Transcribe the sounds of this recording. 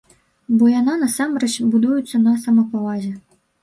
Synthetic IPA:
bɔjananɐsamrɛt͡ɕbud̪ujut̪sːɐnɐsɐmɐpɔvazʲɛ

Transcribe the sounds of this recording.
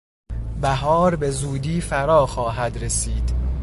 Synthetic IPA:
bæɦɒːɾbe̞zuːd̪iːfæɾɒːxɒːɦæd̪ɾesiːd̪̥

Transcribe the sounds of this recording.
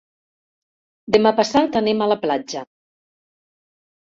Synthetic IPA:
d̪əmapəsat̪ənemələplad͡ʒə

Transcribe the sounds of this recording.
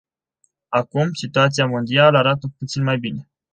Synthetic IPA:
akumsit̪uat̪sijamund̪ialaɾat̪əput̪sinmajbine̞

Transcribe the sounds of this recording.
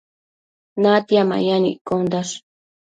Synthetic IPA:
nat̪jama̰janḭʔkond̪aʂ

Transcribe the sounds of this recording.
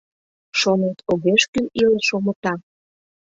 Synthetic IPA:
ʃonet̪oɣeʃkynileʃomə̆t̪ɑ

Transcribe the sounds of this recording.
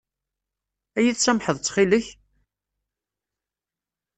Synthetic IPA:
æjiθsæmħəðˤt͡sːχiləç

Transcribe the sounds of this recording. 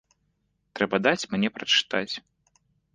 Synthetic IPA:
t̪ɾɛbɐd̪at͡sʲmnʲɛpɾɐt͡ʂɨ̥t̪at͡sʲ

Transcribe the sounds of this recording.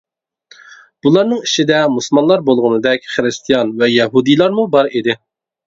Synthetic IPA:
b̥ulˠɑɾnɨŋiʃid̪ɛmuslmɑnlˠɑɾbolˠʁʊnɨd̪ɛkʲχəɾɨst̪ʰijɑnvɛjɛɦud̪ijlˠɑɾmubɑɾid̪ɪ

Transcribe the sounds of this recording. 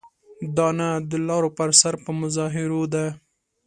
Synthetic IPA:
d̪ɑnad̪əlɑɾopəɾsaɾpəmʊzɑɦɪɾod̪a

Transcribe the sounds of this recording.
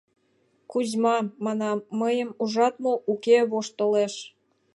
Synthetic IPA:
kuzmɑmɑnɑːəjəmuʒɑt̪moʔukeβoʃt̪oleʃ

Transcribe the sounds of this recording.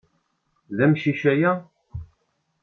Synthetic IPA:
ðæmʃiʃæjæ

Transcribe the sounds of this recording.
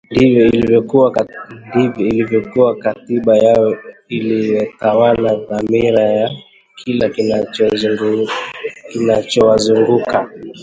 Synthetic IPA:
ndivjɔilivjɔkuwandivjɔilivjɔkuwakatiɓajajɔilijɔtawalaðamiɾaja | kʰilakinat͡ʃɔŋ | kinat͡ʃɔwazuŋɡuka

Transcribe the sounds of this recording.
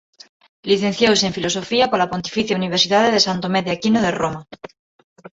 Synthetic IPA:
liθen̟θjowseɱfiloso̞fiapolapo̞nt̪i̥fiθjauniβ̞eɾsiðaðeðesant̪omeðeakinoð̞eroma

